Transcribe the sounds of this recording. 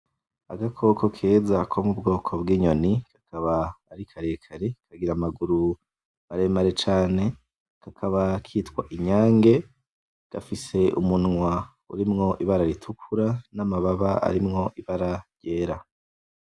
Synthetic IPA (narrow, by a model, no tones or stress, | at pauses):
a̰ɡakʰo̞kʰo̞kʰe̞ːzakʰomubɡo̞ːkʰo̞bɡiːɲo̞nikḁkʰaβaːɾikʰaɾe̞kʰaɾekʰaɡiɾamaɡuɾu | aɾe̞maɾe̞t͡ʃaːne̞ | kakʰaβakʰiːtkwa̰ʔiɲaːŋɡe̞ | ɡ̥afise̞ṵmunŋwa | ṵɾimŋo̞ʔiβaɾaɾitʰukʰuɾanamaβaβaa̰ɾimŋo̞ʔiβaɾaje̞ːɾa